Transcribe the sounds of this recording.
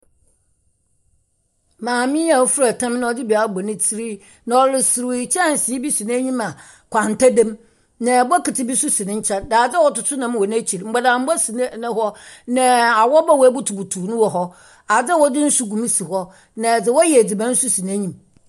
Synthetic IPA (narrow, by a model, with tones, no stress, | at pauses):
mãː˨mɪ̃˦a˨wfu˦ɾa˨tʰã˦m˦nã˦ɔ˨dɪ˦bi˨a˦bɔ˨nɪ̃˦tʰi˦ɾi˦ | nã˨ɔ˨lɪ˨sɪ˨ɾt͡ɕʰɛ˦˨n̩˨sɪ˨˦i˦bi˦su˨n˦a˦ɲĩ˦mã˨ | kʰʷã˨n˨tʰa˦dã˦m | nã˨ba˦kɪ˨tʰɪ˦bi˦su˦sɪ˨nɪ̃˦ɲ̩˦t͡ɕʰa˦daː˨d͡zɛ˦wɔ˦tʊ˨tʰʊ˦nã˦m˦wɔ˨n˦æ˦t͡ɕʰi˨ɾm̩˦ɡ͡ba˨da˨m̩˦bɔ˦sn˦nɪ̃˦ɦɔ˦nã˨a˨wɔ˦ba˦wæ˦bu˦tʰu˨bu˨tʰu˨˦nʊ̃˦wɔ˨ɦɔ˦ | a˨d͡zɛ˦wɔ˦dɪ˦n̩˦su˦ɡũ˨m˦si˨ɦɔ˦ | nã˨d͡zɪ˨wɔ˦jɛ˨d͡zi˨bã˦n̩˦su˦si˨n˨a˦ɲĩ˨m